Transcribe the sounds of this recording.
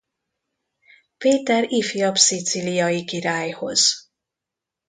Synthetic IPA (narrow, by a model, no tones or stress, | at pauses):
peːt̪ɛɾifijɒpsit̪silijɒjikiɾaːjho̞̰z̥